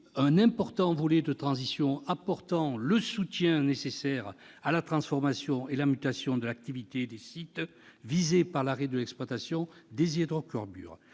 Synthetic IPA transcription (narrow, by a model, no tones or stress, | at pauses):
ɛ̃nɛ̃pɔʁt̪ɑ̃vɔlɛd̪ət̪χɑ̃zisjɔ̃apɔʁt̪ɑ̃ləsut̪jɛ̃nesesɛʁ | alat̪χɑ̃sfɔʁmasjɔ̃elamyt̪asjɔ̃d̪əlak̚t̪ivit̪ed̪esit̪ | vizepaʁlaʁɛd̪əlɛkspwat̪asjɔ̃d̪ezɛd̪ʁɔkɔʁby̰ːʁ